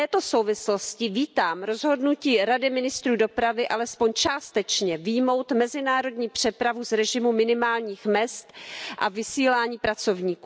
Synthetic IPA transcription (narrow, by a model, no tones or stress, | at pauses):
ɛːt̪o̞so̞wvɪslo̞scɪviːt̪aːmɾo̞zɦo̞dnuciːɾadɪmɪnɪst̪ɾuːdo̞pɾavɪʔalɛspo̞ɲt͡ʃaːst̪ɛt͡ʃɲɛvɪjmo̞wt̪mɛzɪnaːɾo̞dɲiːpr̝̥ɛpɾavuzɾɛʒɪmumɪnɪmaːlɲiːxmɛst̪ʔa̰vɪsiːlaːɲiːpɾat͡so̞vɲiːku